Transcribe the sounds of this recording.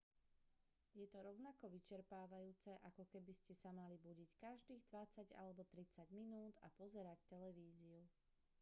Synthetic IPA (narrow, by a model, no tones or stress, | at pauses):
jɛt̪ɔɾɔʊnakɔʋit͡ʃɛɾpaːʋajuːt͡sɛʔakɔkɛbiscɛsamalibuɟickaʒd̪iːɣd̪ʋat͡saɟa̰lɛbɔt̪ɾit͡saɟminuːd̪a̰pɔzɛɾact̪ɛlɛʋiːziu